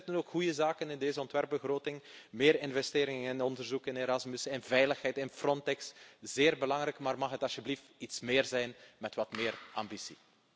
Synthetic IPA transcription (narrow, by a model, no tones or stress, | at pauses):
tənoːkxujəzaːkənɪndeːzəɔntʋɛrb̚bəɣroːtɪŋmeːɾɪnvɛsteːɾɪŋɪnɔndərzukɪneɾɑzmʏsɪnvɛjləxɦɛjtɪnfrɔntɛksz̥eːrbəlɑŋɾɛjkmaːrmɑxɦətɑsjəbliftitsmɪːrzɛjnmɛtʋɑtmɪːrɑ̰mbisi